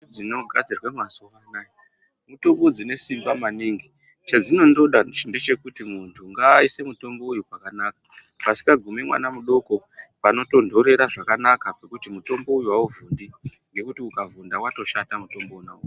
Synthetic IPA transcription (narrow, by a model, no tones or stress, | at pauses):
d͡zino̞ɡʱad͡zirwamasowanai | muto̞mbo̞d͡zine̞simbamaniːŋɡi | t͡ʃad͡zino̞ndo̞ɗande̞t͡ʃe̞kutimuntʰuŋɡaise̞muto̞mbo̞ujupakanaːkḁ | pasi̥kaɡʱume̞mwa̰namuɗo̞ko̞ | pano̞to̞ndʱo̞ɾe̞ɾaʐakanakapekutimuto̞mbo̞ujuwauvundi | ŋɡe̞kutiukavundawato̞ʃatamuto̞mbounau